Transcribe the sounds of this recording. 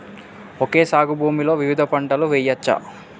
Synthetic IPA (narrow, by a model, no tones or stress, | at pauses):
oke̞ːsaːɡubʱuːmilo̞ːʋiʋid̪ʱɐpɐɳɖɐluʋɛjɐt͡ʃːɐ̰